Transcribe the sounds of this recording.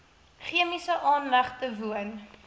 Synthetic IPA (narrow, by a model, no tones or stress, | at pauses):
χiəmisəʔɑːnlɐχtəvuən